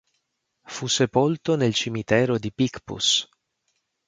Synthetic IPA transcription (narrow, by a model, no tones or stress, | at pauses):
fusːepolt̪onelt͡ʃimit̪ɛːɾod̪ipikpṵs